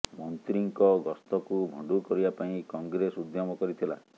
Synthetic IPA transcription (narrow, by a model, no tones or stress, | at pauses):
mɔnt̪ɾiŋkɔɡɔst̪ɔkubʱɔ̃ɳɖukɔɾibapaĩkɔŋɡɾesud̪jɔmɔkɔɾit̪ʰila̰